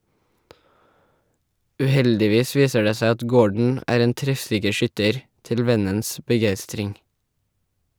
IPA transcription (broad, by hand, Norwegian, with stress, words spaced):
ʉˈhɛldɪˌʋiːs ˈʋiːsə ˈɖeː ˈsæɪ ˈɑt ˈɡoːɖɳ̩ ˈæːɾ ˈeːn ˈtɾɛfˌsɪkə ˈʃʏtəɾ ˈtɪl ˈʋɛnəns bəˈɡæɪstɾɪŋ